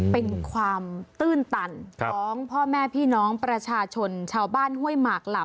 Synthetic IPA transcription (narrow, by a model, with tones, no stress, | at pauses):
pe˧nkʰwaː˧mt̪ɯː˥˩nt̪a˧n˧ɔː˩˦ŋpʰɔː˥˩mɛː˥˩pʰiː˥˩nɔː˦˥ŋpɾa˧t͡ɕʰaː˧t͡ɕʰo˧nt͡ɕʰaː˧wbaː˥˩nhu˥˩əjmaː˨˩k̚la˨˩